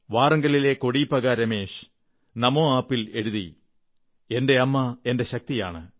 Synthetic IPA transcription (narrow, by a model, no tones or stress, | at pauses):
ʋaːrɐŋɡɐlile̞ko̞ɽipːɐɣaːɾɐme̞ːʂ | nɐmoːaːpːile̞ɽuðḭ | e̞nde̞ɐmːɐe̞nde̞ɕɐk̚t̪ija̰ːɳɨ̰